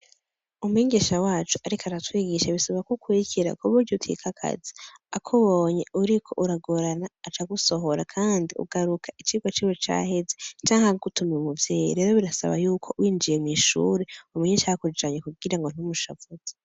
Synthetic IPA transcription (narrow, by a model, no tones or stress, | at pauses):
umuhiːɲɡeʃawaːt͡ʃuʔaɾikaɾatwiːɡiʃaβisaβakokwiikʰiɾa̰kuβuɾɟotʰḭkʰakʰa̰zi̥akʰoβoɲeuɾikʰo̞ʔuɾaɡoɾanaːt͡ʃaɡuso̞ɦo̞ɾa̰kʰaːndiʔṵɡaɾukʰḁit͡ʃiɡwat͡ʃiwet͡ʃa̰he̞zet͡ʃaːŋhaɡutumemuvjeːjḭɾe̞ːɾo̞βiɾasa̰βa̰juːkʰo̞wiːnd͡ʒijemŋiːʃṵːɾeumuɲiʃahakud͡ʒaɲekuɡiɾaŋɡo̞n̥umuʃavuze